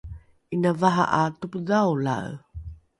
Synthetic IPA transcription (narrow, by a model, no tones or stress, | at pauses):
ʔinavaɦa̰ʔatupdawla̰ə̰